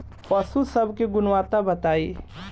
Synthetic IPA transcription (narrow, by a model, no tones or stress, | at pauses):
pɐsusɐbkeɡʊnwaːt̪abɐt̪aːeː